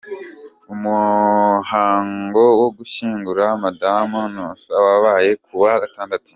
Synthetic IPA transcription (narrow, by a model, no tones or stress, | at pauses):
umuhaːŋɡo̞woɡuʃiːŋɡuɾamadamunusawaβaje̞k̚uβaɡataːndatu̥